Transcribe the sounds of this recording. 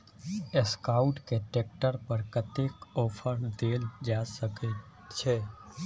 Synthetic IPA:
eskaːʊʈkeʈeːk̚ʈəɾpəɾkət̪eːkɔːpʰəɾd̪eːld͡ʒaːsəket͡ʃʰɛ

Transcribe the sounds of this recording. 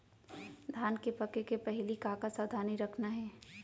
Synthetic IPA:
d̪ʱaːnkepɐkekepɛɦlikaːkasaːd̪ʱaːniɾɐkʰnaɦɛː

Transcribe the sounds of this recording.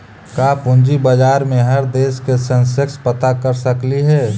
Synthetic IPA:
kapʊ̃nd͡ʒibəd͡ʒaːɾmẽɦəɾd̪eːskesə̃nsekspət̪akəɾsəkliɦɛː

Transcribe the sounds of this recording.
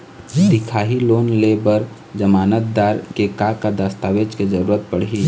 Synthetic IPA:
d̪ɪkʰaːɦilonlebəɾ | d͡ʒəmaːnət̪̚d̪aːɾkekakad̪əst̪aʋed͡ʒked͡ʒəɾuːɾət̪̚pəɽ̤ɦi

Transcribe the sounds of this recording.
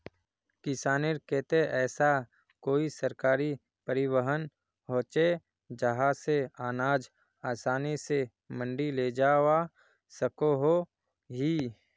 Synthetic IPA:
kɪsaːnɪɾkeːt̪eʔɛːsa | koːisəɾkaːɾi | pəɾɪwəɦən | ɦoːt͡ʃe | d͡ʒəɦaseaːnaːd͡ʒ | aːsaːnise | mə̃ɳɖiled͡ʒaːwa | səkoɦo | ɦi

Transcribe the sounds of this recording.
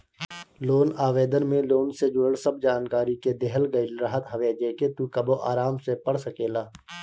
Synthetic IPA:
loːnaːʋeːd̪ənmẽloːnsed͡ʒoːɽsəb̚d͡ʒaːnkaːɾiked̪ɛɦəlɡəɪlɾəɦət̪ɦɐʋeːd͡ʒeːket̪ukɐboʔa̰ːɾaːmsepəɽsəkeːlaː

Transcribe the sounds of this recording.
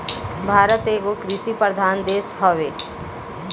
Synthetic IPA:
bʱaːɾət̪eːkokɾɪʃipɾəɾd̪ʱaːnd̪eːsɦɔʋeː

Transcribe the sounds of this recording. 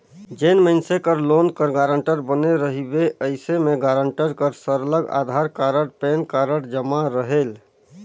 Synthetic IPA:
d͡ʒenməɪnsekəɾlonkəɾɡaɾəɳʈəɾbəneɾəɦibeʔəɪsemeɡaɾəɳʈəɾkəɾsəɾləɡa̰d̪ʱaɾkaɾəɽpenkaɾəɽd͡ʒəmaɾəɦel

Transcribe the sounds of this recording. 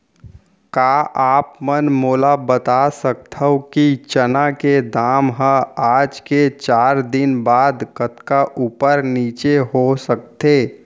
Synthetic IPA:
kaːʔaːpmənmoːlabət̪asək̚t̪ʰəokit͡ʃənaked̪aːmɦəaːd͡ʒket͡ʃaːɾd̪ɪnbaːd̪kət̪kaʔuːpəɾniːt͡ʃeɦosək̚t̪eː

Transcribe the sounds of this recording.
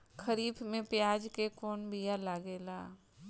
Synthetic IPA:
xʰəɾiːbmẽpɪjaːd͡ʒkekɔːnbʱijalaːɡeːla̰ː

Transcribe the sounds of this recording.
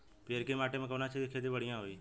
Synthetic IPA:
peəɾkeːmaːʈeːmẽːkəʋnaːt͡ʃʰeekʰeːd̪iʋəɽ̤ɪjãːɦoiː

